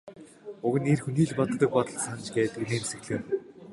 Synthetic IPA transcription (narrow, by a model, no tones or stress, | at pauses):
ʊɣɘ̆niːrxuniːɮpɔt̪ːə̆k̚pɔt̪ɞ̆ɮsant͡ɕɡæːt̪kneːmsɘ̆ɣɮeːm